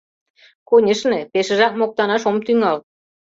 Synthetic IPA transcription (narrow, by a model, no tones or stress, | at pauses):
konʲĕʃnĕpeʃə̆ʒɑk̚mok̚t̪ɑnɑʃomt̪yŋɑl